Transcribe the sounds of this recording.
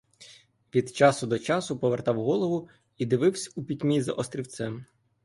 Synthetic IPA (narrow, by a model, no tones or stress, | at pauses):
ʋʲid̪t͡ʃɑsʊd̪ɔt͡ʃɑsʊpɔʋert̪ɑwɦɔlˠɔʋʊ | id̪ɪʋɪwsʲɐupʲidʲmʲizɐʔɔst̪ɾʲiwt̪sɛm